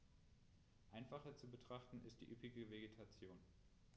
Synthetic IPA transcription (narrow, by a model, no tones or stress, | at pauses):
ʔaɪnfaχɐt͡subətʁ̥aχtn̩ɪ̰std̥ḭːʔypɪɡəveɡetʰat͡sjoːn